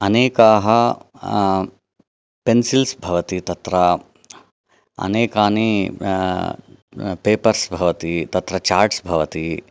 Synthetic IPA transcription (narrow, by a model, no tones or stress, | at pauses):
ɐneːkaːɦɐ | pensilsbʱɐʋɐt̪it̪ɐt̪ɾɐ | ɐ̰neːkaːni | peːpɐɾsbʱɐʋɐt̪it̪ɐt̪ɾɐt͡ʃaːɾʈsbʱɐʋɐt̪i